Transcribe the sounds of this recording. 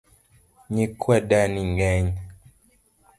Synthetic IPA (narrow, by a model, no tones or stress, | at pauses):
ɲikwaɗaniŋɡɛɲ